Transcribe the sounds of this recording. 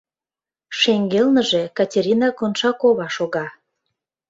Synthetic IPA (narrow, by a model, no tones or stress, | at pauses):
ʃeŋɡelnəʒekɑtʲeɾʲinɑkonʃɑkoβɑʃoɣɑ